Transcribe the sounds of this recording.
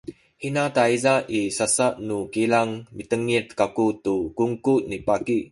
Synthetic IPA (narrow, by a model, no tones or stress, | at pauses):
hinat̪ajzaʔisasaʔnukilaŋmit̪əŋːit̪̚kakut̪ːukuŋkuʔnipakiʔ